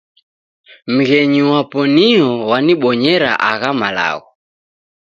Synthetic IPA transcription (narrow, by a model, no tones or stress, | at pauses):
m̩ɣɛɲiwapɔniɦɔwaniɓɔɲɛɾa̰ʔaɣamala̰ɣɔ